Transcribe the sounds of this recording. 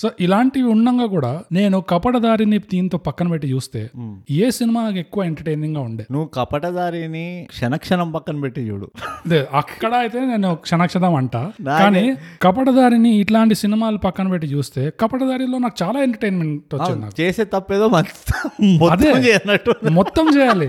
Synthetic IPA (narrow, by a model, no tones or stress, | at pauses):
soːʔilaːɳʈiuɳːɐŋɡaːk̬uːɽaːne̞ːnukɐpɐʈɐd̪aːɾinid̪iːnt̪oːpɐkːɐnɐpeʈːit͡ʃuːst̪e̞̰ːieːsinimaːke̞kːuʋɐeɳʈɐɾʈeːniŋɡaːuɳɖḛːnuʋːukɐpɐʈɐd̪aːɾinikʂɐnɐkʂɐnɐmpɐkːɐnɐpeʈːit͡ʃṵːɽṵd̪eːɐkːɐɽɐɐjit̪e̞ːneːnukʂɐnɐkʂɐʈɐmɐɳʈaːkaːnikɐp̬ɐʈɐd̪aːɾiniːʈlaːɳʈisinimaːlupɐkːɐnɐpeʈːit͡ʃuːst̪e̞ːkɐpɐʈɐd̪aːɾilo̞ːnaːku̥t͡ʃaːlaːeɳʈɐɾʈejnmeɳʈʋɐt͡ʃind̪inaːkut͡ʃeːseːt̪ɐpːeːd̪oːmɐ | poɐd̪eːt͡ʃɛːjɐnɐʈːumɔt̪ːɐmt͡ʃɛːjaːli